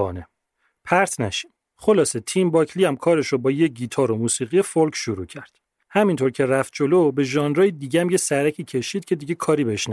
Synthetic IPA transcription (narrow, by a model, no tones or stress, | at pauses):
ɒ̰ːne | pʰæɾt̪ʰnæʃi̥m | χo̞lɒːse̞t̪ʰimbɒːcʰliæmkʰɒːɾe̞ʃobɒːjeɟiːt̪ʰɒːɾomuːsiːɣijefolcʰʃoɾuːcʰæɾd̪̥ | hæmint̪ʰo̞ɾcʰe̞ræft̪̚d͡ʒolobe̞ʒɒːnɾɒːjid̪iːɟeæmjesæɾæcʰiːcʰe̞ʃiːd̪̥̚cʰe̞d̪iɟekʰɒːɾibeheʃnæ